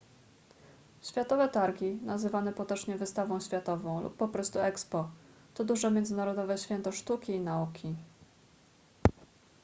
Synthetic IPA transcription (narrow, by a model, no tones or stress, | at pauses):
ɕfʲjat̪ɔvɛt̪aɾɡʲinazɘvanɛpɔt̪ɔt͡ʂɲɛvɘst̪avɔ̃w̃ɕfʲjat̪ɔvɔ̃w̃lṵpːɔpɾɔst̪uɛkspɔ | t̪ɔd̪uʐɛmʲjɛnd̪zɘnaɾɔd̪ɔvɛɕfʲjɛnt̪ɔʂt̪ukʲiːnaukʲi